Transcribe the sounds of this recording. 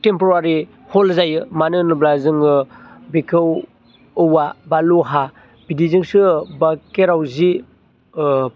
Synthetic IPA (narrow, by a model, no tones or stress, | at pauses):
tempuɾaɾi | hɔlzajɯmanɯnublazɯŋɯbekʰɯwː | wabaluɦa | bidizɯŋsɯbakeɾawzi